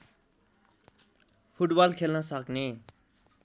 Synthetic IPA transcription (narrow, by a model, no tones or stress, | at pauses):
pʰuʈbalkʰelnʌsʌkne